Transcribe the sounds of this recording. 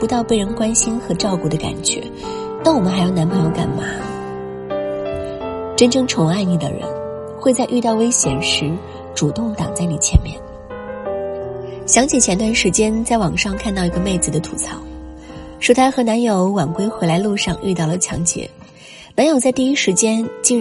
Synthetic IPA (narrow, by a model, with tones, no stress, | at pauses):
pu˧˥t̪ɑ˥˧ʊpe˥˩ɪɻə˧˥nkwa˥nɕi˥nxɤ˧˥ʈ͡ʂɑ˥˧ʊku˥˩d̪ə˩ka̰˨˩nt͡ɕɥɛ̰˧˥ | na˥˩wɔ˨˩mə˦nxa˧ɪjo˥˩ʊna˧˥npʰɤ˧˥jo˧˥˩ʊka̰˨˩nma˧˥ | ʈ͡ʂə˥nʈ͡ʂɤ˥˧ŋʈ͡ʂʰʊ˧˥ŋa˥˩ɪni˨˩d̪ə̰˩ɻə̰˧˥n | xwe˥˧ɪt͡sa˥˧ɪʔy˥˧t̪ɑ˥˩ʊwe˥ɪɕjɛ̰˨˩nʂɻ̩˧˥ | ʈ͡ʂu˨˩t̪ʊ˥˩ŋt̪ɑ̰˨˩ŋt͡sa˥˩ɪni˨˩t͡ɕʰjɛ̰˧˥nmjɛ̰˥˩n | ɕjɑ˧˥ŋt͡ɕjɛ˨˥˩t͡ɕʰjɛ˧˥nt̪wa˥˩nʂɻ̩˧˥t͡ɕjɛ˥nt͡sa˥˩ɪwɑ˨˩ŋʂɑ˥˧ŋkʰa˥˧nt̪ɑ˥˩ʊi˧˥ɡə˧me˥˩ɪt͡sɹ̩˩d̪ə˦t̪ʰu˨˩t͡sʰɑ˥˦ʊ | ʂɻ̩˧˥t̪ʰa˥xɤ˧˥na˧˥njo˧˥ʊwa˨˩nkwe˥ɪxwe˧˥ɪla˧˥ɪlu˥˧ʂɑ˥˧ŋʔy˥˧t̪ɑ˥˩ʊlə˩t͡ɕʰjɑ̰˧˥ŋt͡ɕjɛ̰˧˩˦ | na˧˥njo˨˩ʊt͡sa˥˧i˥˧i˥ʂɻ̩˧˥t͡ɕjɛ˥nt͡ɕi˥